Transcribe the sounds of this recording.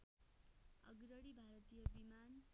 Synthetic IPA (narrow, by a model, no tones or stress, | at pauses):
ʌ̰ɡɾʌɽibʱaɾʌt̪ijʌbiman